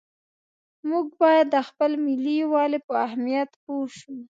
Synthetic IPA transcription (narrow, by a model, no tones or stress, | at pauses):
muɡ̚bɑjad̪ːəxpəlmɪliwɑlepəahmijat̪poʃu